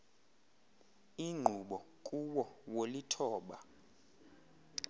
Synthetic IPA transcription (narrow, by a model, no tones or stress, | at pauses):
iŋ͡ǃʱuɓɔ | kʼuwɔwolitʰɔːɓa